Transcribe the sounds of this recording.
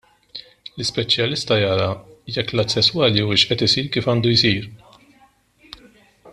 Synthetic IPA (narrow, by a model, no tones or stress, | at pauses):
lɪspɛt͡ʃjɐlɪst̪ɐjɐːɾɐjɛkːlɐt̪sɛswɐːliuɪʃʔɛt̪ɪsiːɾkiːfɐːnd̪ujsiːɾ